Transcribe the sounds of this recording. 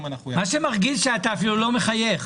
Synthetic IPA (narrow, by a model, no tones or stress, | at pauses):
manaχujmaʃemaʁɡidʃeataːfilulo̞meχajeχ